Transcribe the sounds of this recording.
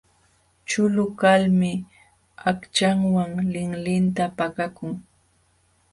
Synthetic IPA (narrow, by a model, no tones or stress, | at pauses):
t͡ʃʊlʊkalmɪ | akt͡ʃaŋwaŋlɪŋlɪnt̪apakakʊŋ